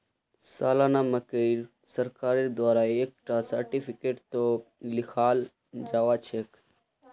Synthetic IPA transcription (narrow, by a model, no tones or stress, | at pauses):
saːlaːnaməkəɪɾ | səɾkaːɾeɾd̪waːɾaeːk̚ʈasəɾʈipʰikeːʈt̪olɪkʰaːl | d͡ʒaːʋat͡ʃʰeːk